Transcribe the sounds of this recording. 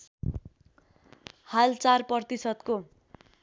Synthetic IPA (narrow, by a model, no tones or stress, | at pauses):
halt͡sarpʌrt̪isʌd̪ko